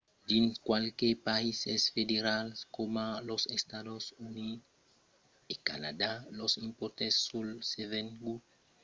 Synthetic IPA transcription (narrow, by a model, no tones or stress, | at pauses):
dĩnskwalkepaisesfed̪eɾalskomalosest̪ad̪osuni | eka̰nad̪alosĩmpoɾt̪esːulseveŋɡu